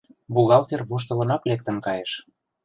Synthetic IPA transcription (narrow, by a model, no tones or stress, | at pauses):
buɣɑlt̪erβoʃ̬t̪ɤ̆lɤ̆nɑklek̚t̪ə̆nkɑjeʃ